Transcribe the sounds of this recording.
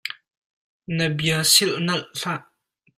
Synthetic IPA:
nəbiəsilʔnɐlʔɬaʔ

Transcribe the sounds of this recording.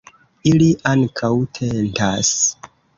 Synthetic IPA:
iliʔaŋkʰawtʰe̞ntas

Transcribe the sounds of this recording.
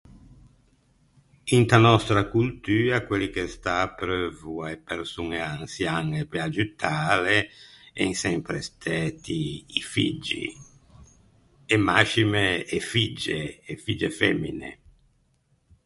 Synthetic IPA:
int̪anɔst̪ɾakult̪yːakwelikest̪aːpɾøvuaepeɾsuŋeansjanepead͡ʒut̪ʰaːleɛ̰ŋsɛmpɾest̪ʰɛːt̪iːfḭd͡ʒḭ | emaʃimeːfid͡ʒeːfid͡ʒefɛmːḭnḛ

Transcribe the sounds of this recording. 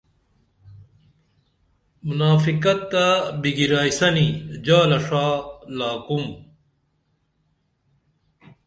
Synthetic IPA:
munaːfikɐt̪ːabiɡiɾaːisɐnid͡ʑaːlɐʂaːlaːkum

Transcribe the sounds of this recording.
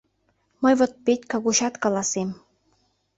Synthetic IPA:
mɤjvot̪̚petʲkɑɣuɕɑt̪kɑlˠɑsem

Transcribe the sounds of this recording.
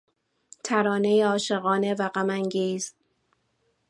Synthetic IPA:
t̪ʰæɾɒːne̞jeɒːʃe̞ɣɒːne̞væɣæmæŋɡiːz

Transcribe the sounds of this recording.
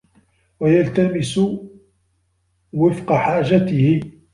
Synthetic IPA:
wajalt̪amɪsʊ | wɪfqɑħaːʒat̪ɪhɪ

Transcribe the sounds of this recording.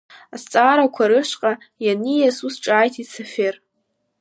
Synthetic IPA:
ast͡sʼaːɾakʷʰaɾɨʃʷqʼa | janijasusʈ͡ʂʼaːjtʰisʰafer

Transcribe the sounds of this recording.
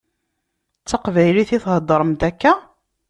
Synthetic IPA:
t͡sːɑqvæjliθiθhəd̪ˤːəɾˤəmt̪ækːæ

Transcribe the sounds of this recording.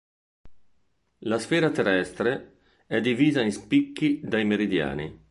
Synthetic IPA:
lasfɛːɾat̪erɛst̪ɾe | ɛd̪ːiviːzainspikːid̪ajmeɾid̪ja̰ːnḭ

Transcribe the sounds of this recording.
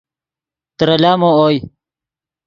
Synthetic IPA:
t̪ɾɐlaːmoːoːj

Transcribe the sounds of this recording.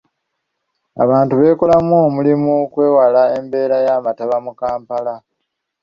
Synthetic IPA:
a̰βaːntuβe̞ːko̞lamuomulimukwe̞ːwalae̞mbe̞ːɾajaːmataβamukaːmpala

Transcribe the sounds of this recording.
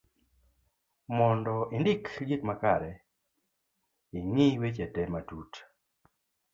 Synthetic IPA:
mɔndɔʔindɪkd͡ʒikmakaɾɛ | iŋiwet͡ʃɛtɛmatut

